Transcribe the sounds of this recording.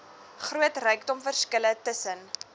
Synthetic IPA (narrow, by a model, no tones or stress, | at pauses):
χruətrœɥkdɔmfərskələtəsən